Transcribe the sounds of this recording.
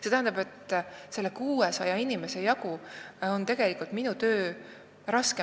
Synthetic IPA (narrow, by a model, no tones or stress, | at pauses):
se̞t̪æhænd̪ɑbe̞t̪se̞lːekuːesɑjɑinime̞se̞jɑkuont̪e̞ɡ̥e̞likːˑult̪minut̪øː | rɑske